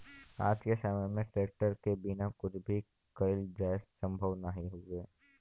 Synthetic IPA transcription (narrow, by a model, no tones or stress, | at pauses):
a̰ːd͡ʒkesəməjmẽʈɾeːk̚ʈəɾkebɪnakʊt͡ʃʰbʱi | kəɪld͡ʒɛːst̪sə̃mbʱəʋnəɦĩɦoɡeː